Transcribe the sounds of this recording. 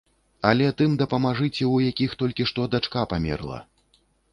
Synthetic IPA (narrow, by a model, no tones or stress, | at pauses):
ɐlʲɛt̪ɨmd̪ɐpɐmaʐɨt͡sʲɛwjakʲixt̪ɔlʲkʲiʂt̪ɔd̪at͡ʂkapamʲɛ̰rlˠɐ̰